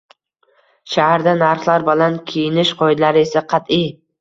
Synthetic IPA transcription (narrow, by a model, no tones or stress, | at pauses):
ʃahaɾd̪anaɾχlˠaɾbɒlankʲʰejɪnɪʃqʰɒɪd̪laɾɪe̞saqʰɑt̪i